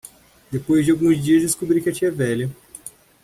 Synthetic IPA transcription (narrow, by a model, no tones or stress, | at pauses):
d̪epojzd͡ʒɪawɡũzd͡ʒiɐzd͡ʒɪskubɾikɪɐt͡ʃiɛvɛʎɐ